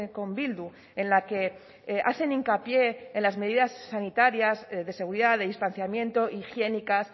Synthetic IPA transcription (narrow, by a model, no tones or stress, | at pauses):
ko̞mbild̪u | e̞nlake̞ | ʔaθe̞niŋkapje̞ːnlazme̞ðiðasːanit̪aɾjazðe̞se̞ɣ̞uɾiðaðeðist̪anθjamje̞nt̪o̞ʔixje̞nikas